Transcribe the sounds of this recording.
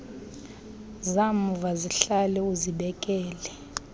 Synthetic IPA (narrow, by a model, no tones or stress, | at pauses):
zamuvaziɬalɛuziɓɛkʼɛːlɛ